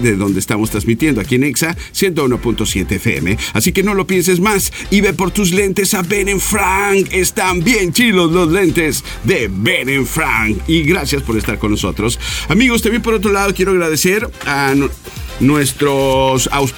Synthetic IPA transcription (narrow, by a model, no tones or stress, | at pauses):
ðeðo̞nd̪eːst̪amo̞st̪ɾazmit̪je̞nd̪oakieneksa | sje̞nt̪̬ouno̞punt̪o̞sje̞t̪efḛḛmḛasike̞no̞lo̞pje̞ns̬ezmas | iβe̞po̞ɾt̪uzle̞nt̪e̞saβeneɱfɾaŋkest̪ambje̞nt͡ʃilozlo̞zle̞nt̪ez | ðeβeneɱfɾa̰ŋkiɣɾasjaspo̞ɾest̪aɾko̞nːo̞so̞̰t̪ɾosamiɣost̪ambje̞np̬oɾo̞t̪̬ɾo̞laðo̞kje̞ɾoaɣɾaðe̞se̞ɾa | nwe̞st̪ɾosa̰ws